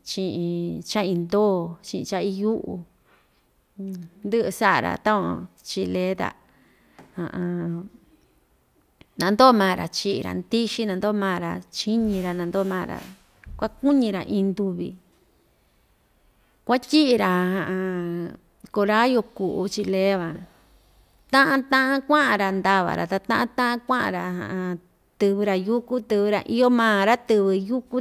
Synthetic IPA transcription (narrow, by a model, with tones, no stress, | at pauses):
t͡ʃĩ˧ʔĩ˧t͡ʃa˦ĩ˧nd̪oː˦˨t͡ʃĩ˧ʔḭ̃˧t͡ʃa˦i˧ju˦ʔu˧ | nd̪ɨ˦ʔɨ˧sa˦ʔa˨ɾa̰˧˨t̪ã˦õ̰˧t͡ʃi˧le˦t̪a̰˨ | hã̰˧ʔã˧ | nã˧nd̪oː˦˧mãː˧˨˧ɾa̰˨t͡ʃi˦ʔḭ˨˧ɾa̰˨nd̪i˦ʃi˦nã˧nd̪o˦˧mãː˦˨˧ɾa˧t͡ʃi˦ɲĩ˧ɾa˧nã˧nd̪o˦˧mãː˦˨ɾa̰˧ | kʷa˦ku˦ɲĩ˧ɾa̰˨ʔĩː˧nd̪u˧βḭ˧˨ | kʷa˦tʲi˦ʔi˧ɾa˧ɦã˧˨ʔã˧ | ko˧ɾa˦jo˧ku˨ʔṵ˧t͡ʃi˧leː˦βã˨ | t̪ã˦ʔã˧t̪ã˦ʔã˦kʷã˦ʔã˧ɾa˧nd̪a˧βa̰˨ɾa̰˨t̪a˧t̪ã̰˦ʔã˦t̪ã˦ʔã˦kʷã˦ʔã̰˧ɾa˧hã̰˨ʔã˧ | t̪ɨ˧βɨ˧ɾa˧ju˦ku˦t̪ɨ˧βɨ˧ɾa̰˧ʔi˧˦jo˦mãː˦˨ɾa˦t̪ɨ˧βɨ˧ju˦ku˦